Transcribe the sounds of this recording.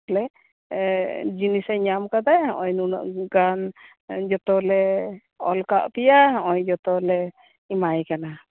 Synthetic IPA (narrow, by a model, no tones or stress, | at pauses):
lɛ | d͡ʒinisaɲamkad̪ajaʔɔjnunɔ̰ʔɡan | d͡ʒɔt̪ɔlɛ | ɔlkaʔpɛjaaʔɔjd͡ʒɔt̪ɔlɛ | imajkana